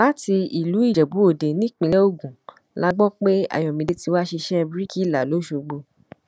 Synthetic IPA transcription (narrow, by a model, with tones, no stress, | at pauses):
la˦ti˧i˨lu˨˦i˦˨d͡ʒɛ˨bu˨˦o˦˨de˨nĩ˦˨k͡pĩ˧lɛ˦o˦˨ɡũ˨ | la˦ɡ͡bɔ̃˦k͡pe˦a̰˦˨j̃ɔ̃˨mĩ˨de˧ti˧wa˦ʃi˧ʃɛ˦bɾi˦ki˦˨la˨lo˨˦ʃo˧ɡ͡bo˧